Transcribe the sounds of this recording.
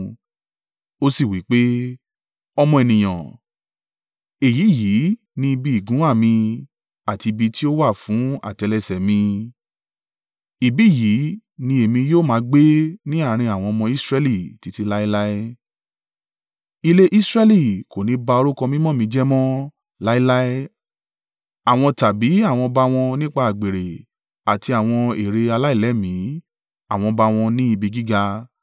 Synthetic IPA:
o˦si˦˨wi˨˦k͡pe˦ | ɔ˧mɔ̃˧e˨nĩ˨j̃ã̰˨ | e˨ji˨˦˨ji˨˦ | nĩ˧i˧bi˧˦i˨ɡũ˨˦a˦˨mĩ˧ | a˨ti˧bi˧ti˦o˦wa˦˨fũ˨˦a̰˦˨tɛ˨˧lɛ˧sɛ˨mĩ˧ | i˨bi˦˨ji˨˦nĩ˧e˨mĩ˧joː˦˨mã˨˧˦ɡ͡be˦nĩ˦a˦˨˦ɾ̃ĩ˧a˨w̃ɔ̃˧ɔ˧mɔ̃˧i˦sɾɛ˦li˦˨ti˨˧ti˧la˦i˦la˦ɛ˦ | i˧le˦ʔi˦sɾɛ˦li˨ko˨nĩ˨˦ba˧o˧ɾu˦kɔ̃˧mĩ˦mɔ̃˦˨mĩ˧˦d͡ʒɛ˦mɔ̃˦ | la˦i˦la˦ɛ˦ | a˨w̃ɔ̃˧ta˨bi˨˦a˦˨w̃ɔ̃˧ba˧w̃ɔ̃˧nĩ˦k͡pa˦˨a˨ɡ͡be˨ɾe˨ | a˨ti˧a˨w̃ɔ̃˧e˨ɾe˧a˧la˦i˦˨lɛ˨˦mĩ˨˦ | a˦˨w̃ɔ̃˧ba˧w̃ɔ̃˧nĩ˦i˧bi˧ɡi˦ɡa˧

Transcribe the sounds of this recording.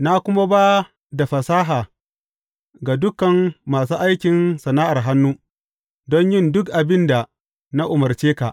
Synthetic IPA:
na˦kʷʊ˦ma˦baː˦ | da˨ɸɐ˨saː˦ɦaː˨ | ɡa˨dʊ˦kɐ˨ŋːaː˨suː˦ʔa˦jkʲɪ˨nsɐ˨naː˦ʔa˨rɦa˦nːu˦ | dɔ˦ɲjɪ˦ndʊ˦kʔa˨bɪ˦nda˨ | na˦ʔʊ˨mɐ˨rt͡ʃeː˦ka˨ʔ

